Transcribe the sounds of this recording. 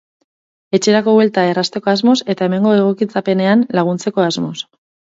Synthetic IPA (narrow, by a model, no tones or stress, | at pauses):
e̞t͡ʃe̞ɾako̞βwe̞lt̪ae̞rast̪e̞ko̞azmo̞se̞t̪ae̞me̞ŋɡo̞e̞ɣ̞o̞kit͡sape̞ne̞anlaɣ̞unt͡se̞ko̞azmo̞s